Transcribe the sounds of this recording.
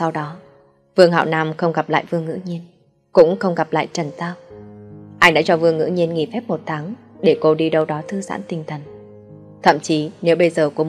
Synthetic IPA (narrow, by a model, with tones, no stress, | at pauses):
sa˧wɗɔ˨˦ | vɨ˧əŋɦa̰˧˨wnaː˧mxə˧wŋ͡mɣa˨˩p̚la̰ː˧˨jvɨ˧əŋːɨ̰˧˥ɲi˧ən | kʊ̰˧˥ŋ͡mxə˧wŋ͡mɣa˨˩p̚la̰ː˧˨jt͡ɕə˧˩nt̪aː˧w | ʔa˧jŋɗa̰ː˧˥t͡ɕɔ˧vɨ˧əŋːɨ̰˧˥ɲi˧ənŋḭ˧˩fɛ˦˥p̚mo˨˩t̚t̪ʰaː˨˦ŋ | ɗe˧˩ko˧ɗi˧ɗə˧wɗɔ˨˦t̪ʰɨ˧za̰ː˧˥nt̪ï˨˩ŋ̟t̪ʰə˨˩ŋ | t̪ʰə̰˧˨mt͡ɕi˨˦ne˨˦wɓə˧jzəː˨˩ku˧˩ə